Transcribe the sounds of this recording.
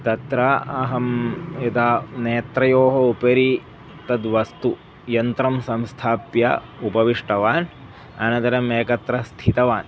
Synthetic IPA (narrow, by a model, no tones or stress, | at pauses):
t̪ɐt̪ɾɐɐɦɐmɐd̪aːneːt̪ɾɐjoːɦɐupɐɾi | t̪ɐd̪ʋɐst̪u | jɐnt̪ɾɐmsɐmst̪ʰaːpjɐ̰ | upɐʋiʂʈɐʋaːn | ɐ̰nɐd̪ɐɾɐmeːkɐt̪ɾɐst̪ʰit̪ɐʋaːn